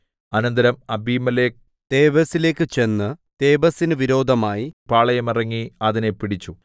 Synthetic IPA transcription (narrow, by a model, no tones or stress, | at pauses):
ɐnɐnd̪ɐɾɐmɐbiːmɐleːk | t̪e̞ːʋɐsile̞ːkːɨt͡ɕe̞nːɨt̪e̞ːbɐsinɨʋiɾo̞ːd̪ʱɐmaːjipaːɭɐjɐmirɐŋːiɐðine̞piɽit͡ɕːu